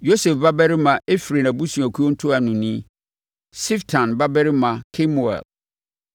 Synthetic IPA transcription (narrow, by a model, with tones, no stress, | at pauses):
jo˦sɛ˨fba˦bɛ˦ɾɪ˦mã˨e˦fɾe˨na˨bu˦sũ˨æ˨kʰu˦o˦n̩˦tʰʊ˦a˨nʊ̃˨nĩ˦ | si˦ftʰã˨nba˦bɛ˦ɾɪ˦mã˨kʰe˦mu˨ɛ̰˨l